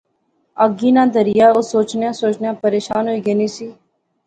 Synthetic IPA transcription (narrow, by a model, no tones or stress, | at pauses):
əɡiːnãːd̪əɾɪjaːoːsoːt͡ʃnejãːsoːt͡ʃnjãːpəɾeːʃaːnɦoːiːɡəniːsiː